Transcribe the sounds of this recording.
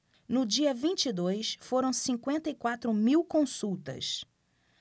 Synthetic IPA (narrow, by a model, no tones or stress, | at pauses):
nʊd͡ʒiɐvĩt͡ʃid̪ojsfoɾɐ̃w̃sĩŋkwẽnt̪ɐikwat̪ɾʊmiwkõsuwt̪ɐ̰s